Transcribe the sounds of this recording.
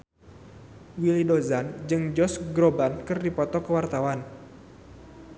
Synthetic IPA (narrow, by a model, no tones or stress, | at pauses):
wilidozand͡ʒɨŋd͡ʒɔsɡɾobankɨrdipɔt̪ɔkəwart̪awan